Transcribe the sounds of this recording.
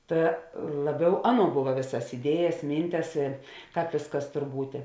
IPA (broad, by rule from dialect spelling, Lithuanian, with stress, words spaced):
ˈtɐ ˈlˠɑːˌbʲɛʊ ˈɑːˌnuɔ ˈbʊʋɐ ˈʋʲeːsɐs ɪˈdʲiɛjɛs ˈmʲiːnʲtʲɛs ɪ ˈkɑːp ˈʋʲeːsˌkɐs ˈtoːr ˈbuːtʲeː